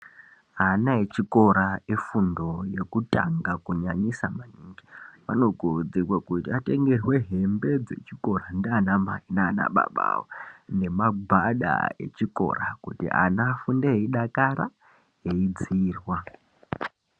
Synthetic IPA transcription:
anaet͡ʃiko̞ɾaefundo̞je̞kuta̰ŋɡakuɲaɲisamaniŋɡiʋa̰no̞ɡʱoud͡zikwakutiate̞ŋɡe̞rwe̞ɦe̞mbe̞d͡ze̞̰t͡ʃiko̞randeanamainaːna̰ɓa̰ɓa̰wone̞maɡʱaɗa̰e̞̰t͡ʃiko̞̰rakutḭa̰naːfundeɦeiɗakaɾa | ɦe̞id͡ziːrwa

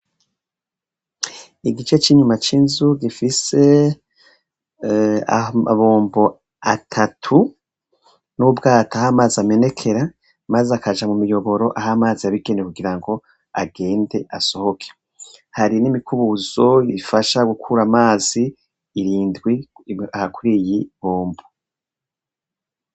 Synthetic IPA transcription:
iɡit͡ʃe̞t͡ʃiɲumat͡ʃiːnzuɡifise̞ | a̰a̰βoːmbo̞ | atʰatʰu | nubɡaːtahamaːziame̞ne̞kʰe̞ɾa | mazeakad͡ʒamumijo̞βo̞ɾo̞ʔaɦamaːziaβiɡe̞nekuɡiɾaŋɡo̞ | a̰ɡe̞ːnde̞ʔaso̞ho̞kʰe̥ | haɾinimikuβuzo̞ifaʃaɡukʰuɾamaːziː | ɾiːndɡwiahakuɾijiβoːmbo

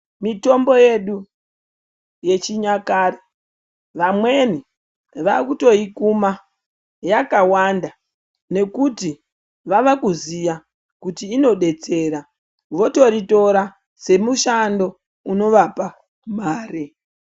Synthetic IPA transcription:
mito̞mbo̞je̞ɗu | je̞t͡ʃiɲakaːre | ʋamwe̞ni | ʋakuto̞ikuma | jakawanda | ne̞kuti | ʋaʋakuzija | kutiːno̞ɗe̞t͡se̞ːɾa | ʋo̞to̞ɾito̞ɾa | se̞muʃando̞ | uno̞ʋapa | maːre

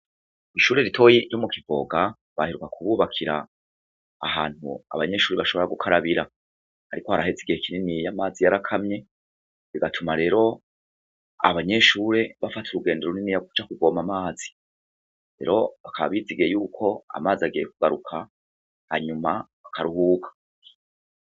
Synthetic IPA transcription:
iʃuːɾe̞ɾitʰo̞ːjiɾjo̞mukivo̞̰ɡa | βahiɾukakuβuːβakʰiɾa̰ː | haːn̥hṵa̰βaɲe̞ʃuːɾeβaʃo̞βoɾaɡukʰaɾaβiɾa | haɾiko̞haɾaɦeziɡihekininijamaːzijaɾakʰamɲe̞ | βiɡatʰumaɾe̞ːɾo̞ | a̰βaɲe̞ʃuːɾe̞βafatʰuɾuɡe̞ːndeɾoninijaku̥t͡ʃakuɡo̞ːmamaːzi̥ | ɾḛɾo̞βakʰaβa̰βiziɡejuːkʰo̞a̰maːziaɡijekuɡaɾukʰa | haɲumaβakʰaɾuhuːkʰḁ

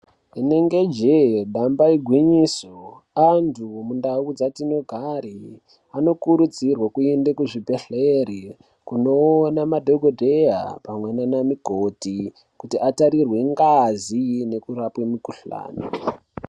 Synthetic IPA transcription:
ine̞ŋɡe̞d͡ʒeɗambaiɡʱwiɲiːso | antʰumundaud͡zatino̞ɡʱaɾi | ano̞kuɾud͡zirwakuendekuʐibe̞ɬeɾi | kuno̞ːnamadʱoɡʱodʱeja̰pamwenanamiɡʱoti | kutiʔataɾirwe̞ŋɡazine̞kuɾapwemikuɬa̰ːni

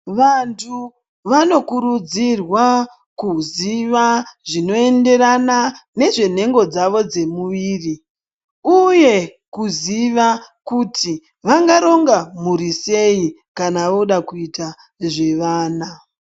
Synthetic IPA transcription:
ʋantʰu | ʋano̞kuɾud͡zirwa | kuziʋaʐino̞e̞nde̞ɾanane̞ʐe̞n̤e̞ŋɡo̞d͡zaʋo̞d͡ze̞muʋiːri | uje̞ | kuziʋakutʰi | ʋaŋɡaɾo̞ŋɡamuɾise̞i | kanaʋoɗakuita | ʐe̞ʋaːna

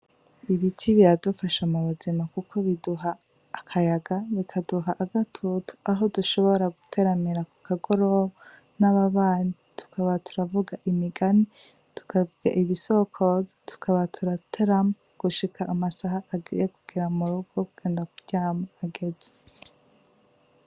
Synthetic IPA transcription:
iβitʰiβiɾadufaʃamuβuzimakukʰo̞βiduɦaː | kʰajaɡaβikʰaduɦaʔːɡatʰutu̥aɦo̞duʃo̞βo̞ɾaɡutʰe̞ɾamiɾaku̥kʰaɡo̞ɾoβa | naβaβaːnitʰu̥kʰaβatu̥ɾavuɡaʔimiɡani | tu̥kavuɡa̰ʔiβiso̞kʰo̞zo̥tu̥kʰaβatʰuɾatʰeɾama | ɡ̥uʃikʰaʔːmasaɦajeɡuɡ̥iɾamuɾuɡokuɡ̥e̞ːndakuɟ̥aːmaaɡe̞ze̥

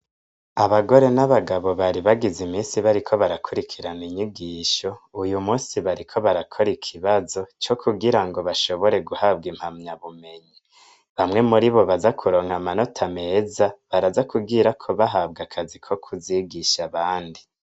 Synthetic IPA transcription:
aβaɡo̞ɾe̞naβaɡaβo̞βaɾiβaɡizimiːsiβaɾikʰo̞βaɾakʰuɾikʰiɾaniɲiɡiːʃo̞ujumuːsiβaɾikʰo̞βaɾakʰo̞ɾikʰiβazo̞t͡ʃo̞kʰuɡiɾaŋɡo̞βaʃo̞βo̞ɾe̞ɡuhabɡim̥hamɲaβume̞ɲi | βamŋe̞muɾiβo̞βazakʰuɾo̞ːŋhamano̞tʰame̞ːzaβaɾazakubɡiːɾakʰo̞βaɦab̚ɡakʰazikʰo̞kʰuziɡiʃaβaːndi

